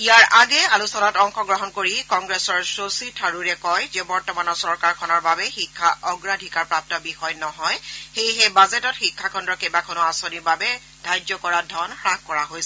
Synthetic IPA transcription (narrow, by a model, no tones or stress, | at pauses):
ijaɹʔaɡɛalusɔnatɔŋxɔɡɹɔɦɔnkoɹikɔŋɡɹɛsɔɹsositʰaɹuɹɛkɔjzɛbɔɹtɔmanɔsɔɹkaɹkʰɔnɔɹbabɛxikʰːaʔɔɡɹadʱikaɹpɹap̚tɔbixɔjnɔɦɔjxejɦebazɛtɔtxikʰːakʰɔndɹɔkejbakʰɔnʊasonibabɛ | d̥ʱajdzɔkɔɹadʱɔnxɹak̚kɔɹaɦojsɛ